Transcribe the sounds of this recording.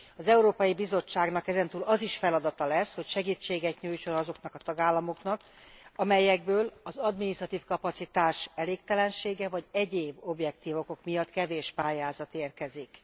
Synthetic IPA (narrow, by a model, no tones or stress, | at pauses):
ɒzɛuɾoːpɒjibizo̞t͡ʃːaːɡnɒkɛzɛn̪t̪uːlɒziʃfɛlɒd̪ɒt̪ɒlɛsho̞cʃɛɡiːt͡ʃːeːɡɛt̪ɲuːjt͡ʃo̞nɒzo̞knɒkɒt̪ɒɡaːlːɒmo̞knɒk | ɒmɛjɛɡ̚bøːlɒzɒd̪minist̪rɒt̪iːfkɒpɒt̪sit̪aːʃɛleːk̚t̪ɛlɛnʃeːɡɛvɒɟɛɟeːbo̞bjɛkt̪iːvo̞ko̞kmijɒt̪kɛveːʃpaːjaːzɒt̪eːrkɛzik